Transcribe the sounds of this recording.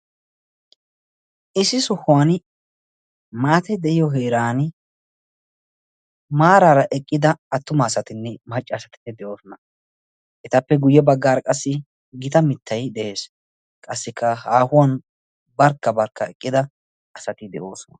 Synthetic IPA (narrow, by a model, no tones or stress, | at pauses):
ʔɪsɪsɔhʊwɐn | maːt̪ɛd̪ɛʔɪjɔɦeːɾaːnɪ | maːɾaːɾɐʔɛkʼːɪd̪ɐːt̪ːʊmɐːsɐt̪ɪnːɛmɐt͡ʃʼːɐːsɐt̪ɪ̥nːɛd̪ɛʔo̞ːsɔnɐ | ʔɛt̪ɐpːɛɡʊjːɛbɐɡːaːɾkʼɐsːɪ | ɡɪt̪ɐmɪt̪ːɐjd̪ɛʔe̞ːs | kʼɐsːɪkʰːɐhaːhʊwan | bɐɾkːɐbɐɾkːɐɛkʼːɪd̪ɐ | ʔɐsɐt̪ɪd̪ɛ̰ʔo̞ːsɔnɐ